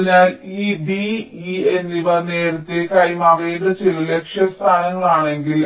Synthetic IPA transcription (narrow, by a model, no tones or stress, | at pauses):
ɲːaːliːbiienːiʋɐneːɽut̪ːekɐjmɐrejuɽɨt͡ɕilɐle̞kʂjɐst̪ʰaːnɐŋːɐɭaːɳe̞ŋɡil